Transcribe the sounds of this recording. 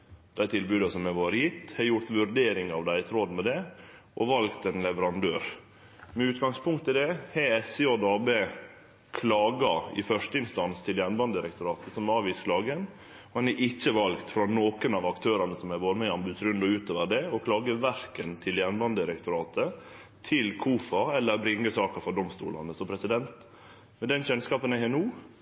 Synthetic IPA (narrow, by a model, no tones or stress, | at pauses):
d̪̥æɪt̪ʰɪlbʉːd̪ɑsɔmɛʋoːɾəjɪt̪ːhɛɾjʊɾt̪ʋʉɾɖ̪eːɾɪŋɑʋd̪æɪt̪ʰɾɔd̪mɛd̪ɛʔɔʋɑlkt̪ɛnlɛʋəɾɑnd̪øːɾ | mɛʉːt̪ɡɑŋspʰʊŋkt̪ːɪld̪ɛhɛɛsɪod̪ɑːbeː | kʰlɑːɡɑɪ̰fœʂt̪əɪnst̪ɑnst̪ʰɪljænbɑnɪɾɛkt̪ʊɾɑːt̪əsɔmɑːʋiːskʰlɑːɡən | ɔhɑnæɾʔɪçːəʋɑlɡt̪fɾɑnoːkənɑʋɑkt̪ʰøːɾɑnəsɔmæʋoːɾmɛɪɑmbʉːsɾʉnd̪ɔʉːt̪oːʋəɖɛɔkʰlɑːɡəʋæɾkənt̪ʰɪljɛnbɑnd̪əɪɾɛkt̪ʊɾɑːt̪ə | t̪ʰɪlkʰuːfɑɛlːəɾbɾɪŋːəsɑːkəfɔɖ̪ɔmst̪ṵːlɑ̰nəsɔpʰɾɛsɪd̪ɛnt̪ | mɛd̪ɛnɕɛnskɑːpənɛhɛnuː